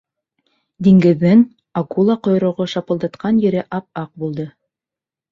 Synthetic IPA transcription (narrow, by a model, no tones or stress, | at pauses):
d̪iŋɡɘ̆ðːɘŋ | ɑkulˠɑqŏj̆ɾŏʁoʃɑpɤ̆lˠd̪ɑt̪qɑnjɘ̆ɾɘʔɑp̚ɑq̚bulˠd̪ɤ